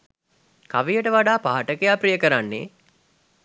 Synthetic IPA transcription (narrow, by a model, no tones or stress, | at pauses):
kaʋijəʈəʋaɖaːpaɦaʈəkejaːpɾijəkəɾanːḛː